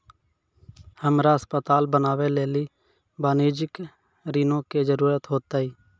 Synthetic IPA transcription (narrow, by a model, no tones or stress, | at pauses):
həmɾaəspət̪aːlbənaːʋeleːli | baːneːd͡ʒɪk | ɾiːnõked͡ʒəɾuːɾət̪ɦoːt̪aːɦiː